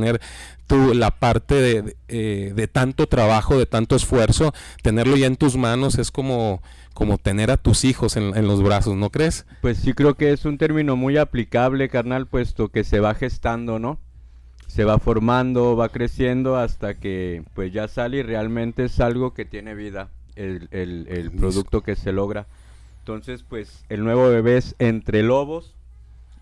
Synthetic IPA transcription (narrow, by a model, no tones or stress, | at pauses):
neɾ | t̪ulapaɾt̪e̞ðeðeðe̞t̪ant̪o̞t̪ɾaβaxo̞ðe̞t̪ant̪oesfwe̞ɾso̞t̪e̞ne̞ɾlo̞ʝaent̪uzmãno̞sesko̞mo̞ | ko̞mo̞t̪e̞ne̞ɾat̪usixo̞senenlo̞zβɾaso̞sno̞kɾe̞spwe̞sːikɾe̞oke̞esunt̪e̞ɾmĩno̞mujaplikaβ̞le̞kaɾnalpwe̞st̪o̞ke̞se̞βaxe̞st̪and̪o̞no̞ | se̞βafo̞ɾmãnd̪o̞βakɾe̞sje̞nd̪o̞ast̪ake̞pwe̞zʝasalire̞almẽnt̪e̞esalɣo̞ke̞t̪je̞ne̞βiða | eelelpɾo̞ðuk̚t̪o̞ke̞se̞lo̞ɣɾa | ent̪o̞nse̞spwes | e̞lnwe̞βo̞βe̞βe̞se̞nt̪ɾe̞lo̞βo̞s